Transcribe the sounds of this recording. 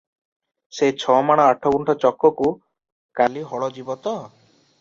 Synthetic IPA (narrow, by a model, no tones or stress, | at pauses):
set͡ʃʰɔmaɽ̃ɔaʈʰɔkuɳʈʰɔt͡ʃɔkːɔku | kaliɦɔɭɔd͡ʒibɔt̪ɔ